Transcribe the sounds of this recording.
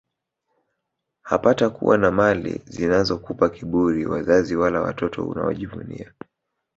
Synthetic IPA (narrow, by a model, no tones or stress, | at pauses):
hapatakṵwanamalḭzinazɔkupakiɓuɾiwazaziwalawatɔtʰɔ̰ṵna̰ɔʄivunḭa